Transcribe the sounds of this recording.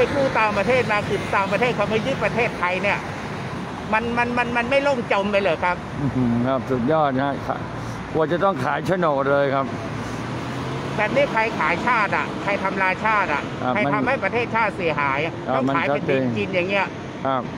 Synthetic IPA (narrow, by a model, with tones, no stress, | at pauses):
a˧jkʰuː˥˩t̪aː˨˩ŋpɾa˧t̪ʰeː˥˩t̪̚maː˧kʰɯ˨˩nt̪aː˨˩ŋpɾa˧t̪ʰeː˥˩t̪̚kʰa˧˩ma˧jɯː˦˥pɾa˧t̪ʰeː˥˩t̪ʰːa˧jni˥˩ɐ | ma˧nma˧nma˧nma˧nma˥˩jlo˥˩ŋt͡ɕo˧mpa˧jlɤː˧˩jkʰa˦˥p̚ːkʰa˦˥p̚su˨˩t̪̚jɔː˥˩t̪̚a˦˥kʰa̰˨˩ | kʰu˧ənt͡ɕa˨˩t̪ɔ˥˩ŋkʰaː˩˦jt͡ɕʰa˧˥noː˨˩lɤː˧jkʰa˦˥p̚ | t̪ɛː˨˩niː˦˥˩kʰɾa˧jkʰaː˩˦jt͡ɕʰaː˥˩t̪̚a̰˨˩kʰɾa˧jt̪ʰa˧mɾaː˧jt͡ɕʰaː˥˩t̪̚ʔa̰˩kʰa˧ɾa˧jt̪ʰa˧mha˥˩jpɾa˧t̪ʰeː˥˩t̪̚t͡ɕʰaː˥˩t̪̚si˩˦ɐɦaː˩˦ja˨˩˧ɔ˥˩ka˧a˩˦jpe˧nt͡ɕːt͡ɕiː˧njaː˨˩ŋːi˦˥ɐʔ | kʰa˦˥˩p̚